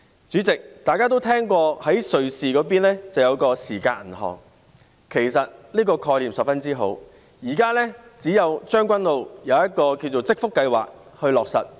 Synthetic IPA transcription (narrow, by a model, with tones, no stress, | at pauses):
t͡ʃyː˨˥t͡sɪ˨k̚t̪aː˨kaː˥t̪̬o˥wt̪ʰɛː˥ŋkʷɔː˧hɐ˨˥jsɵ˨ɥsiː˨kɔː˨˧˥p̬iː˥nlɛː˥t͡sɐ˨wjɐ˨˧wkɔː˧siː˨˩ka̰ː˧n̩˨˩ɦɔ̰ː˨˩ŋ | kʰe˨˩jsɐ˨t̚liː˥kɔː˧kʰɔː˧jliː˨˩msɐ˨p̚fɐ˥nt͡siː˥ɦo̰˨˥w | jiː˨˩kaː˥lɛː˥t͡siː˨˥jɐ˨˧wt͡ʃœː˥ŋkʷɐ˥nlo˨˧wjɐ˨˧wjɐ˥t̚kɔː˧kiː˧wt͡so˨wt͡sɪ˥k̚fʊ˥kːɐ˧jwa̰ː˨k̚ | hɵ˧ɥlɔː˨˩k̚sɐ̰˨˩t̚